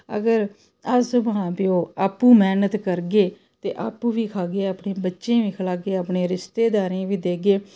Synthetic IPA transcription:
ə̰ɡəɾ | əsʋəɦãːpioːaːpːũːmɛːnət̪kəɾɡeː | t̪eːʔa̰ːpũːʋiːkʰaːɡeːaːpɳẽːbətːʃẽːʋiːkʰəlaːɡeːaːpɳeːɾɪst̪eːd̪aːɾẽːʋiːd̪eːɡeː

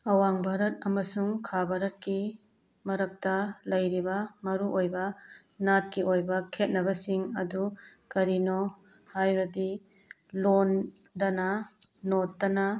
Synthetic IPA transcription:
ɐwaŋbʱaɾɐt̚ɐmɐsuŋkʰabʱaɾɐt̚ki | mɐɾɐk̚tɐlɐjɾibɐmɐɾuʔojbɐ | nat̚kiojbɐkʰet̚nɐbɐsiŋɐdukɐɾino | hajɾɐdi | lon | dɐnɐnotːɐnɐ

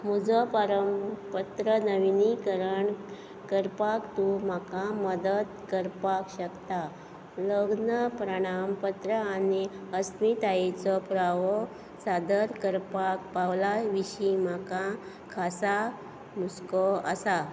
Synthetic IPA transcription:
m̤ud͡zɔpaɾəmpət̪ɾənəʋinikəɾəɳ | kəɾpakt̪um̤akãməd̪ət̪kəɾpakɕəkt̪a | ləɡnəpɾəɽ̃ampət̪ɾəaniəst̪mit̪ajet͡sɔpɾaʋɔ | sad̪əɾkəɾpak̚pawlaʋiɕim̤akã | kʰasa | muskɔə̰sa

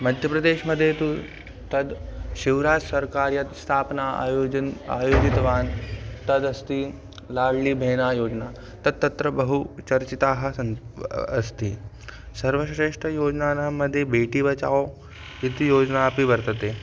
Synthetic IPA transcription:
mɐd̪ʱjəpɾɐd̪eːʃmɐd̪ʱjet̪u | t̪ɐd̪ʃiʋɾaːd͡ʒsɐɾkaːɾjɐt̪st̪ʰaːpna̰ | a̰ːjoːd͡ʒit̪ʋaːnt̪ɐd̪ɐst̪iː | laːɽliːbʱeːnaːjoːd͡ʒna | t̪ɐd̪̚t̪ːɐt̪ɾɐbɐɦut͡ʃɐɾt͡ɕit̪aːɦɐ | ɐ̰st̪iː | sɐɾʋəsɾeːʂʈəjoːd͡ʒnaːnamːəd̪ʱːjebeːʈiːbɐt͡ʃa̰ːo | it̪ijoːd͡ʒnaːpibɐɾt̪ət̪e

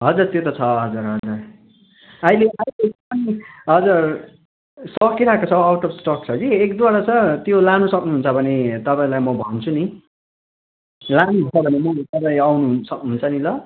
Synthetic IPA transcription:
ɦʌd͡zurt̪jot̪ʌt͡sʰʌɦʌd͡zuɾɦʌd͡zur | ʌileʔailekʌpʌniɦʌd͡zur | sʌkiɾakot͡sʰʌawʈʌbsʈʌkt͡sʰʌɡiekd̪waɾat͡sʌt̪jolanusʌknuɦunt͡sʰʌbʱʌnet̪ʌpaĩlajmʌbʱʌnt͡sʰuni | lanuɦunt͡sʰʌbʱʌnemʌt̪ʌpãĩawnuɦsʌknuɦunt͡sʰʌnilʌ

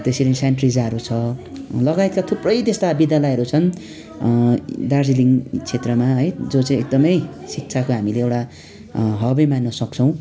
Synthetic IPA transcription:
t̪esiɾʌĩsaɳʈrid͡zaɾut͡sʰʌlʌɡajt̪̚kat̪ʰuprʌjt̪est̪abid̪jalʌjɦʌɾut͡sʰʌn | d̪ard͡ziliŋt͡sʰet̪rʌmaɦʌjd͡zot͡saj̃ek̚d̪ʌmʌjsik̚t͡sʰakoɦamileewʈa | ɦʌbʌjmanːʌsʌk̚t͡sʰʌw̃

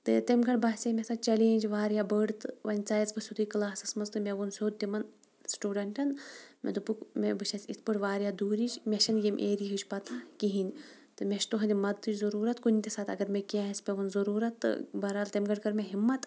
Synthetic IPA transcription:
t̪ɨt̪emɡɐʈbɐɦsʲemʲesɐt͡ʃɐleːnʲd͡ʒʋaːɾjabəɖt̪ɨʋɐnʲt͡saːjɐzbɨsʲud̪ɨjkɨlaːsɨsmɐnzt̪ɨmʲeʋunsʲoːd̪̚t̪ʲimɐn | sʈuːɖɐɳʈɐnmʲḛd̪upɨkmʲebɨʃɐsʲit̪ʰpɨʈʋaːɾʲjad̪uːɾid͡ʒmʲeʃɐnjimʲʔeːɾiɦɨt͡ʃʰʲpɐt̪ʰkiɦinʲ | t̪ɨmʲeʃt̪uɦɐnʲd̪ʲimɐd̪t̪ɨt͡ʃzɐɾuːɾɐt̪kunʲt̪ʲesaːt̪ɐɡɐɾmʲekaɐsʲpʲeʋunzɐɾuːɾɐt̪ːɨ̰bɐɾalt̪emɡɐɖkɐɾmʲeɦimːɐt̪

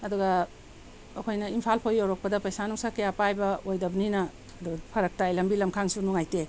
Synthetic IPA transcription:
ɐduɡɐː | kʰojnɐimpʰalpʰojːowɾok̚pɐdɐpɐjsanuŋsakejapajbɐojdɐbɐninɐː | duɡɐpʰɐɾɐk̚tajlɐmbilɐmkʰaŋsunuŋajte

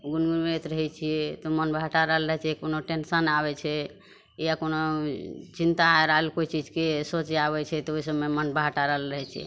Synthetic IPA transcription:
ɡunɡunmet̪ɾəɦɛt͡ʃʰiɛt̪omənbʱaʈaɾəɦlɾəɦɛt͡ʃʰɛkonoʈensənaβɛt͡ʃʰɛ | ijakono | t͡ʃint̪aeɾaelkoit͡ʃid͡ʒʱkesot͡ʃeaβɛt͡ʃʰɛt̪ɔoisəbmemənbaʈaɾəɦlɾəɦɛt͡ʃʰɛ̰

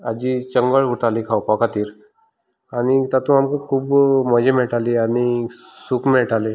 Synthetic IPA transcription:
ad͡ʑit͡ʃəŋɡəɭuʈalikʰawpakʰat̪iːɾ | anit̪at̪ũamkakʰuːbməd͡ʑemeʈaliañisukʰmeʈale

